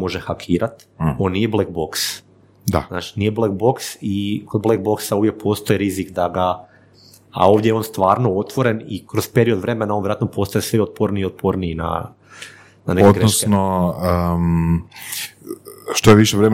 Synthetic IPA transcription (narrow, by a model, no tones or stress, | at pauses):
mo̞ʒexakʰiːɾat̪ | o̞ːnːijeblek̚bo̞ks | d̪a̰zna̰ːt͡ʃi̥niːjeblek̚bo̞ksikod̪blek̚bo̞ksauːʋjek̚pʰo̞st̪o̞iɾizikd̪aɡa | a̰o̞ːʋd̪ʲjejeo̞ːnst̪ʋaːɾno̞ot̪ʋo̞ɾe̞nikɾospe̞ɾio̞d̪ʋɾe̞menaonʋjɾat̪nopo̞ːst̪ajesʋiot̪̚pʰoɾniiot̪̚pʰoɾniːna̰ | nanekodɡɾeosnoəm | ʃt̪ojeʋiʃeʋɾem